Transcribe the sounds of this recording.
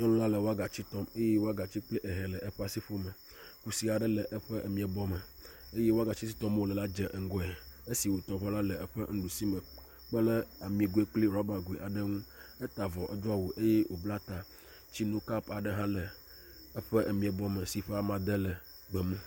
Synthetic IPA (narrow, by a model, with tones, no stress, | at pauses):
ɲɔ˦lɔ̃˦la˦lə˨wo˦a˦ɡa˨t͡ɕi˦t̪ɔ˦me˦je˦wo˦a˦ɡa˨t͡ɕi˦k͡pli˦ʔɛ˨ɦɛ˨lə˨ʔɛ˦ɸɛ˦a˨si˦ɸo˦mə˨ | ku˦si˦a˨ɖə˦lə˨ʔə˦ɸɛ˦ʔə˨mĩ˨ɛ˨bɔ˦mə˨ | e˦je˦wo˦a˦ɡa˨t͡ɕi˦s̬i˦t̪ɔ˦m˦wo˨lə˨la˦d͡ʒɛ˨ʔŋ̩˨˦ɡɔ˦ɛ˨e˦si˨wo˨t̪ɔ˨ɸɛ˦la˦lə˨ɛ˦ɸə̰˦ŋ̩˦ɖu˨si˦mə˨ | k͡pə˦lə˦a˨mĩ˨ɡu˦e˦k͡pli˦ɾɔ˦ba˨ɡu˨i˨ʔa˨ɖə˦ŋũ˦ɛ˦t̪a˨vɔ˨ʔɛ˦d̪o˦a˨wo˨ʔe˦je˦wʔo˨bla˦t̪a˨ | t͡ɕi˦nũ˦ka˦pa˨ɖə˦ɦã˦lə˨ | ə˦ɸə˦ʔə˨mĩ˨ɛ˨bɔ˦mə˨si˨ɸe˦a˦mã˨d̪ə˦lə˨ | ɡ͡bɛ˨mɛ˦